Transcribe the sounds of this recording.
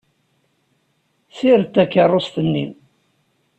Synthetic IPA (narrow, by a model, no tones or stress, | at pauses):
θiɾt̪ːækːərˤːost̪ənːḭm